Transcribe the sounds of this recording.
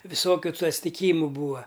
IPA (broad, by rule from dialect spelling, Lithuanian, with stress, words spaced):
ʋʲɪˈsoːkʲʊ tʊ ɐtʲsʲtʲɪˈkʲiːmʊ ˈbuːɐ